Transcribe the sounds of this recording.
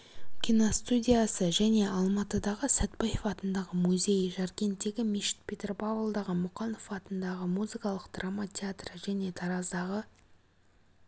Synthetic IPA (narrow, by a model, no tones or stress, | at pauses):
kʲʰinost̪udʲijasəʒæne̞ɑlˠmɑt̪əd̪ɑʁəsæt̪̚bajefɑt̪ənd̪ɑʁəmuzʲe̞jʒaɾkʲe̞nt̪ːe̞ɡʲɪmiʃɪ̥t̪̚pʰʲet̪ʲerpavəlˠd̪ɑʁəmʊqɑnofɑt̪ənd̪ɑʁəmuzɨkɑlˠəqd̪̥ramat̪ʲeat̪rəʒæne̞t̪ʰɑɾɑzd̪ɑʁə